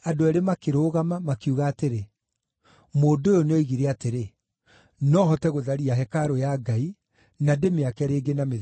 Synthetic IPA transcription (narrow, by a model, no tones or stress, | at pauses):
adoaɾemakeɾoːɣamamakeuɣaːteɾe | moːdojɔneoiɣiɾɛateɾe | nɔɦɔtɛɣoðaɾiaɦɛkaɾojaɡai | nademeakɛɾeːɡename